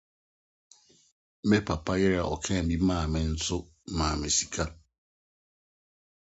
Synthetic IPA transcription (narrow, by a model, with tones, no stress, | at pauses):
me˦pa˨pa˦jɪ˦ɾa˨ʔɔ̰˨kʰɛ̃˦˨bi˦maː˦˨mɪ˨n̩˦tʊ˦ | maː˨mɪ˨si̥˨kʰa˦